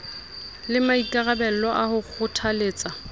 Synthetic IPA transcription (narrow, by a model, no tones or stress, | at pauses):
lɪmaikʼarabɛl̩lɔʔahʊk͡xʰʊtʰaleːt͡sʼa